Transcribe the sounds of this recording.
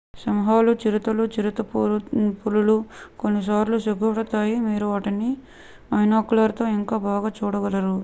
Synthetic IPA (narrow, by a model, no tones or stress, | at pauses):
sɐmɦaːlut͡ʃiɾit̪ɐlut͡ʃiɾit̪ɐppululukonːis̬aːɾlusiɡɐʋɐɽɐt̪aːjimiːɾuʋaːʈɐni | mɐjnaːkulaːɾt̪o̞ːiŋkaːbaːɡaːt͡ʃuːɽɐɡɐlɐɾu